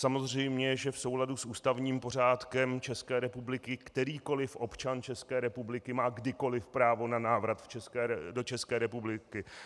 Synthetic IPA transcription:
samo̞zr̝ɛjmɲɛʒɛfso̞wladusʔuːst̪avɲiːmpo̞r̝aːt̪kɛmt͡ʃɛskɛːɾɛpublɪkɪkt̪ɛɾiːko̞lɪfʔo̞pt͡ʃant͡ʃɛskɛːɾɛpublɪkɪmaːɡdɪko̞lɪfpɾaːvo̞nanaːvɾat̪ft͡ʃɛskɛːdo̞t͡ʃɛskɛːɾɛpublɪkɪ

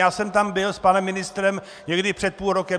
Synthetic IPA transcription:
aːsɛmt̪ambɪlspanɛmːɪnɪst̪ɾɛm | ɲɛɡdɪpr̥ɛt̪̚puːlɾokɛ

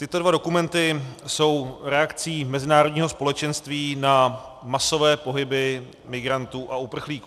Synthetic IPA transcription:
t̪ɪt̪o̞dvado̞kumɛnt̪ɪso̞wɾɛakt͡siːmɛzɪnaːɾodɲiːɦospo̞lɛt͡ʃɛnst̪viːna | maso̞vɛːpo̞ɦɪbɪ | mɪɡɾant̪uːʔaupr̩xliːku

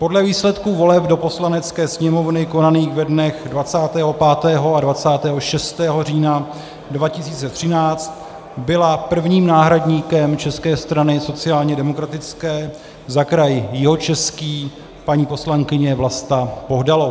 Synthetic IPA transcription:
po̞dlɛviːslɛt̪kuvo̞lɛpdopo̞slanɛt͡skɛːsɲɛmo̞vnɪko̞naniːxvɛdnɛxdvat͡saːt̪ɛːɦo̞paːt̪ɛːɦo̞advat͡saːt̪ɛːɦo̞ʃɛst̪ɛːɦo̞riːna | dvacɪsiːt͡sɛt̪r̝̥ɪnaːt͡st̪ | bɪlapr̩vɲiːmnaːɦɾadɲiːkɛmt͡ʃɛskɛːst̪ɾanɪso̞t͡sɪaːlɲɛdɛmo̞kɾat̪ɪt͡skɛː | zakɾajɪjɪɦo̞t͡ʃɛskiː | paɲiːpo̞slaŋkɪɲɛvlast̪apoɦdalo

